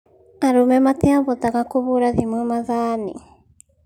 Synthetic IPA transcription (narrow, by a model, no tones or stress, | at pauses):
aɾumemat̪eabot̪aɡakuβuɾaðimɯmaðanḭ